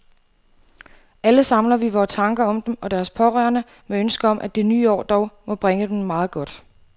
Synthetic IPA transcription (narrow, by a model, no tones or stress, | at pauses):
ʔæləsɑ̈mlɐʋiʋɒːt͡sʰɑ̈ŋɡ̥ɐɒ̽md̥emʔɒ̽d̥æɐspʰɒ̽ʁœ̰ːɐnə | meønsɡ̥əɒ̽mʔæd̥enyːɒ̰ːd̥ɒʊmɒ̽b̥ʁeŋəd̥emmɑ̈ːð̞̩ˠɡ̥ɒ̽d̥